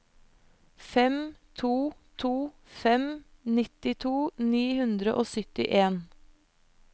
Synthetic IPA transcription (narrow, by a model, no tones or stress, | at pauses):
fɛmt̪ʰuːt̪ʰuː | fɛmnɪt̪ɪt̪ʰuːniːhʉnd̪ɾəʔoːsʏt̪ɪ̰ʔeːn